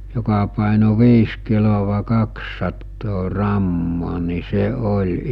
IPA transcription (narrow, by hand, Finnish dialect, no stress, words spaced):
jokɑ pɑˑeno ʋiːs kiloʋɑ kɑksːɑtːoː rɑmːoː ni se olʲ